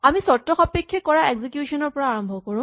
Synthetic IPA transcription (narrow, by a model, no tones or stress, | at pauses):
amisɔtːɔxɔpekʰːekːɔɹaeɡzikjusɔnɔɹpɔɹaːɹɔmbʱɔkɔɹũ